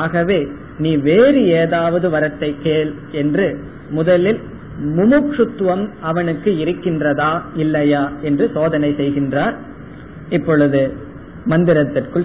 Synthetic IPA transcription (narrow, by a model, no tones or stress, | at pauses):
aːɣɐʋeː | niːʋeːɾɯeːðaːʋɐðɯʋɐɾɐʈ̪ːɐɪkːeːl | ɛndrɯ | mʊðɐlɪl | mʊmʊkʂɯt̪ːʋɐmɐʋɐnɯkːɯɪɾɯkːɪndrɐðaːɪlːɐjaːɛndrɯsoːðɐnɐɪsɛjɣɪndraːɾ | ɪpːɔɻɯðɯ | mɐnd̪ɪɾɐt̪ːɪrkɯɭ